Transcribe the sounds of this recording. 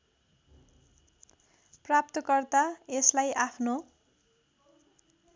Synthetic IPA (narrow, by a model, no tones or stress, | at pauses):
prap̚t̪ʌkʌrt̪aeslajʔapʰno